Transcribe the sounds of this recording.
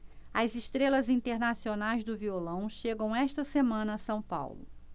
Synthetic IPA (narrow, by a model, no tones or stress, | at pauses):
ɐzɪʃt̪ɾelɐzĩnt̪eɾnasionajzd̪ʊviolɐ̃w̃ʃeɡɐ̃w̃ɛʃt̪ɐsemɐ̃nɐːsɐ̃w̃pa̰wlʊ̰